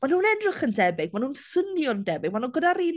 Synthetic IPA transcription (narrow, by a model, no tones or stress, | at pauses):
manuːnɛdrɪχəndɛbɪɡ̚manhuːnsənjɔndɛbɪɡ̚manuːnɡədaɾin